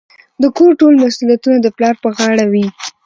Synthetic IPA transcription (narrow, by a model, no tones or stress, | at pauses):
d̪əkoɾʈolmasulijat̪unad̪əplɑɾpəɣɑɽawi